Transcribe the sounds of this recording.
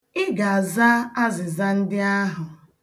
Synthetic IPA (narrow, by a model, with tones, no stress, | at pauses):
ɪ˦ɡa˨a˨za˦a˦zɪ˨za˦n̩˦dɪ˦a˦ɦʊ˨